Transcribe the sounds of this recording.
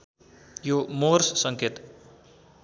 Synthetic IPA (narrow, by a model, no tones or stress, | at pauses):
jomoɾssʌŋket̪